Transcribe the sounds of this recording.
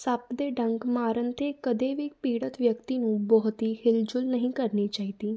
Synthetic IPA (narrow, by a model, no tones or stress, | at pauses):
sapd̪eɖə̃ŋɡmaɾənt̪ʰekəd̪eʋiːk̚piɽət̪ʋjəkt̪inũːbɔɦt̪iːhild͡ʑulnəɦĩkəɾɳiːt͡ɕaɦit̪iː